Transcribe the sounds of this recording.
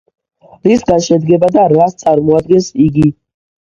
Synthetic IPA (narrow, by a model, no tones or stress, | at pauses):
ɾisɡaʃɛd̪ɡɛbad̪aɾvast̪sʼaɾmɔad̪̚ɡɛnsiɡi